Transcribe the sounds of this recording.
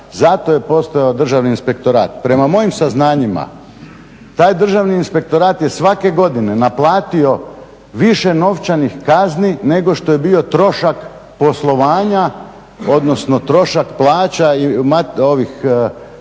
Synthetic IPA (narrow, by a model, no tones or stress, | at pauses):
zat̪o̞je̞po̞st̪ajod̪r̩ʒaʋniːnspe̞k̚t̪o̞ɾaːt̪̚pɾe̞mamo̞jimsaznaːɲima̰ | t̪aːjd̪r̩ʒaʋniːnspe̞k̚t̪o̞ɾaːt̪jesʋake̞ɡo̞d̪ine̞naplˠaːt̪io̞ | ʋiʃe̞no̞ʋt͡ʃanixkaznine̞ɡo̞ʃt̪o̞je̞bio̞t̪ɾo̞ʃak | po̞slˠo̞ʋaːɲa | o̞d̪nosno̞t̪ɾo̞ʃakplˠaːt͡ɕaimao̞ʋix